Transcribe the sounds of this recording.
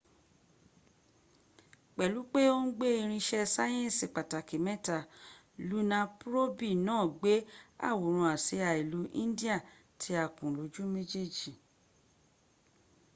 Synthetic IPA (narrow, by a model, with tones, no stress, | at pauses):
k͡pɛ˨lu˨˦k͡pe˦o˦n̩˦ɡ͡be˦i˧ɾ̃ĩ˧ʃɛ˧sa˦j̃ɛ̃˦˨si˨k͡pa˨ta˨ki˨mɛ̃˦ta˦˨ | lu˨˦nã˧pɾo˦bi˦˨nãː˦˨ɡ͡be˨˦a̰˦˨wo˨ɾ̃ũ˧˨a˨si˨˦a˨i˨lu˨˦ʔḭ̃˦n˦di˦a˦˨ | tʰi˨˦a˧˨kũ˨lo˨˦d͡ʒu˦me˦d͡ʒe˦d͡ʒi˨